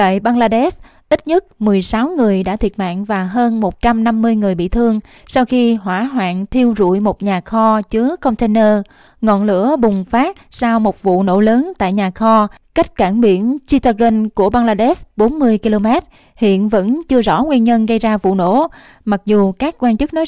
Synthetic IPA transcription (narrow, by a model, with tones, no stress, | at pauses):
t̪a̰ː˧˨jɓaː˧ŋlaː˧ɗɛ˦˥s | ʔi˦˥t̚ɲə˦˥t̚mɨ˨˩əjsa˨˦wŋɨ˨˩əjɗa̰ː˧˥t̪ʰi˨˩ət̚ma̰ː˧˨ŋvaː˨˩ɦəː˧nmo˨˩t̚t͡ɕa˧mna˧mːɨ˧əjŋɨ˨˩əjɓḭ˧˨t̪ʰɨ˧əŋ | sa˧wxi˧ɦwaː˧˩ɦwa̰ː˧˨nt̪ʰi˧əwzṵ˧˨jmo˨˩t̚ɲaː˨˩xɔ˧t͡ɕɨ˨˦əkə˧wŋ͡mt̪ɛ˧nəː˧ | ŋɔ̰˧˨nlɨ̰˧˥əɓʊ˨˩ŋ͡mfaː˦˥t̚saː˧wmo˨˩t̚vṵ˧˨no̰˧˥ləː˨˦nt̪a̰ː˧˨jɲaː˨˩xɔ˧ | ka˦˥jk̟̚kaː˧˩ŋɓi˧˩ənt͡ɕi˧t̪a˧ɣə˧nku˧˩əɓaː˧ŋlaː˧ɗɛ˦˥sɓo˨˦nmɨ˧əjki˧lo˧mɛ˦˥t̚ | hḭ˧˨ənvə̰˧˥nt͡ɕɨ˧əzɔ̰˧˩ŋwi˧nɲə˧nɣə˧jzaː˧vṵ˧˨no̰˧˥ | ma˨˩k̚zu˨˩kaː˦˥k̚kːwaː˧nt͡ɕɨ˦˥k̚nɔ˨˦